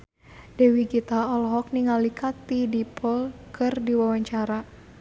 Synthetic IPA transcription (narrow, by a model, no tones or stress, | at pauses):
dɛwiɡit̪aɔlɦɔk̚niŋalikʰat̪ːidipʰɔlkʰɨrdiwawaɲt͡ʃaɾa